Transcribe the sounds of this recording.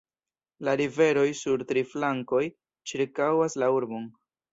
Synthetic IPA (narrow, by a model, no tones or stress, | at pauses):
laɾive̞ɾo̞jsuɾtɾiflaŋko̞j | t͡ʃiɾkawaslauɾbo̞n